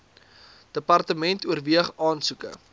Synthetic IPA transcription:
d̥əpɐrtəmɛntuərviəχɑːnsukə̰

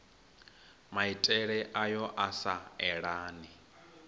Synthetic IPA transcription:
maitʼɛɺɛʔajɔʔasaɛɺaːni

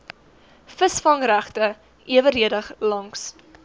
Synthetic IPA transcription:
fəsfɐŋræχtə | iəvəɾiədəχlɐŋks

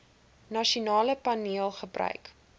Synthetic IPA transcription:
nɐʃiunɑːləpɐniəlˠχəbrœ̰ɥk

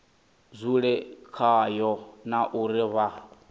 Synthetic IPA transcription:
zʷuɺɛkʰajɔnaʔuɾiβa

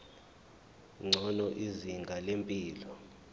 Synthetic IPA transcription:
ŋ͡ǀʱɔnɔʔiziŋɡʱalempʼiːlɔ

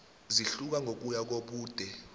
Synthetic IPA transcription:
ziɬuk̬aŋok̬ujak̬oɓuːd̥ʱɛ

